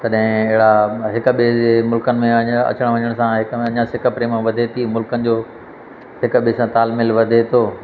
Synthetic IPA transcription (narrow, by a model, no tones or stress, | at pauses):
t̪ɐɗɦɪ̃ɪɦɪɽaɦɪk̆ɓiːemʊlkənɪ̆mẽɐɲɐ̰t͡ɕəɽ̃ʋɐ̃ɲəɽ̃sãɦɪkɐɲãsɪkə̆pɾeːmʋɐd̪ʱet̪ʰimʊlkənɪ̆d͡ʑoː | ɦɪk̆ɓiːsãt̪aːlmɪlʋɐd̪ʱet̪ʰoː